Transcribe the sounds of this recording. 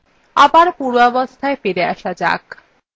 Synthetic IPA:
abaɾpuɾɔbost̪ʰaefeɾeaʃad͡ʑa̰k

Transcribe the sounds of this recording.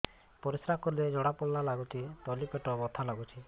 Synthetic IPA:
pɔɾisɾakɔɾiled͡ʒɔɽapɔlːalaɡut͡ʃʰit̪ɔlipeʈɔbɔt̪ʰalaɡut͡ʃʰi

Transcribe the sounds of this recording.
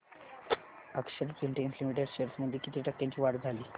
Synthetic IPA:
əkʂəɾt͡sunʈenslimiʈ̬eɖɕeɾsməd̪ʱjekit̪iːʈək̚t̪jaɲt͡ɕiːʋaɽd͡zʱaliː

